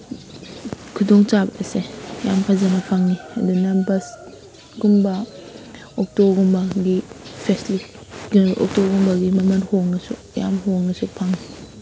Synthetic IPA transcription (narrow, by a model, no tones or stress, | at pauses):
kʰudɔŋt͡ʃabɐʔesejampʰazanɐpʰaŋniɐdunambɐs | ɡumbɐ | ɔk̚tobɡumbɐɡipʰesliɡɔ̰k̚toɡumbɐɡimɐmɐnhoŋnɐsu | ja̰mɦoŋɐsupʰaŋni